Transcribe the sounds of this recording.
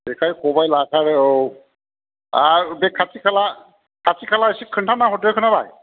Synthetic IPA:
bɛkʰajkɔbajlakʰaɹ | abɛkʰasʰikʰala | kʰasikʰalasikʰːɯntʰanaɦɔtekʰɯnaba̰j

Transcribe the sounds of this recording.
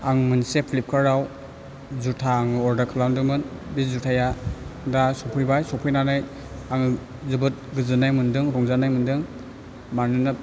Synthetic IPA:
aŋmɯnsepʰilip̚kʰaɾaw | zutʰaːŋɔɾdakʰɯlawndɯmɯnbizutʰajadasɔpʰɯjbajsɔpʰɯjnanaj | aŋ | zɯbɯt̚ɡɯzɯnajmɯndɯŋɾɔŋzanajmɯndɯŋ | manɯnɯ

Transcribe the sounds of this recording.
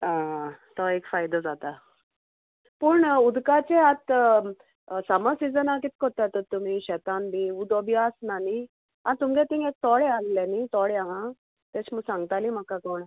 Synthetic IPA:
at̪ɔekfajd̪əd͡zat̪a | puɳud̪kat͡seat̪ | səməsid͡zənak̬it̪̚kɔt̪at̪ɔt̪um̤iɕɛt̪anbiud̪obʱjasnani | anit̪umɡet̪ĩŋɡek̚t̪ɔɽeallenit̪ɔɽeaɦã | t̪et͡ɕməɡsãŋɡ̚t̪alim̤əkːakoɳ

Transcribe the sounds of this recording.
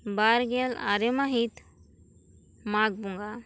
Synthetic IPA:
baːɾɡela̰ɾemaɦit̪ | maːɡ̚buŋɡa

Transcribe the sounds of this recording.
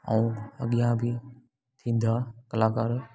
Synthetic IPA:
a̰ũə̰ɠijãbʱɪ | t̪ʰĩːn̆d̪akəlaːkaːɾ

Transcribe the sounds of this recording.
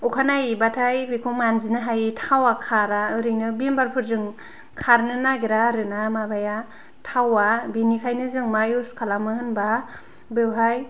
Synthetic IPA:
ukʰanajbatʰajbikʰomanzinɯɦajtʰawakʰaɾaɯɾɯŋnɯbimbaɾpʰɯɾzɯŋ | kʰaɾnɯnaɡiɾaɾɯnamabaja | tʰawabinikʰajnɯzɯŋmajuskʰalamɯhɯnba | bewɦaj

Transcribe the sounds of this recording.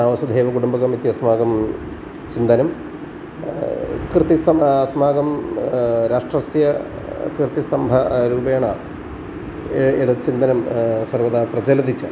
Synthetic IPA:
aːʋɐɕɐd̪ʱeːʋɐkuɽumbɐɣɐmit̪ːjɐsmaːɡɐm | t͡ɕind̪ɐnɐm | krɨt̪ːist̪ɐɐsmaːɡɐm | ɾaːʂʈrɐsjɐ | krt̪ist̪ɐmbʱɐɾuːbɐjɳa | eðɐt͡ɕind̪ɐnɐmsɐrʋɐðaːprɐd͡ʑɐlɐd̪it͡ɕːu

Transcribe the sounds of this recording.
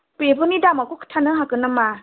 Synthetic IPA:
pebʰɯnidamakukʰtʰanɯɦakɯnama

